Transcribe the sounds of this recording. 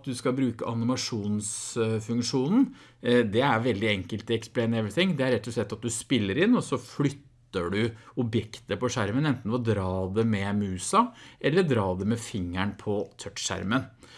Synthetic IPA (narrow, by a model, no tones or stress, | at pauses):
t̪̚d̪ʉskɑbɾʉːkəʔɑnɪmɑʂuːnsfʉŋkʂuːnn̩ | d̪ɛæɾʋɛld̪ɪɛŋkəlt̪ɪɛksplɛɪnɛʋɾɪt̪ɪŋːd̪ɛæɾɛt̪ːɔʂlɛt̪ːɑt̪̚d̪ʉspɪlːəɾɪnːɔsɔflʏt̪ːəɖʉɔbjɛkt̪əpɔʂæɾmənɛnt̪n̩ɔd̪ɾɑːd̪ɛmɛmʉːsɑʔɛlːəɖ̪ɾɑːd̪ɛmɛfɪŋːæɳpʰɔt̪ʰœtʂæ̰ɾmən